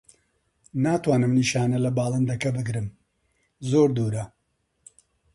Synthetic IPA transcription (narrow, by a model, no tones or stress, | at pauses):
naːt̪waːnɨmniʃaːnɐlɐbaːlˠɨnd̪ɐkɐbɨɡɾɨm | zoːɾd̪uːɾɐ